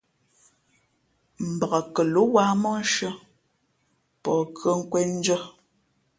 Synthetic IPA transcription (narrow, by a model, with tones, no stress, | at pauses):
m̩˨bə˨ɣa˨kə˨lo˨˦wa˦mɔ˦ʃə˦ | pɔ˨kʰə˦ŋ̩˦kwɛ˦n̩˦d͡ʒə˦